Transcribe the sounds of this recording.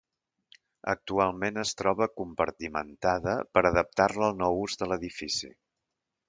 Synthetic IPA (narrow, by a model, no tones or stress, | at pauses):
ə̰k̚t̪ualˠmenəst̪ɾɔβ̞əkumpəɾt̪imə̰nt̪aðəpəɾəðəp̚t̪arləːlˠnɔwuzðələðifisḭ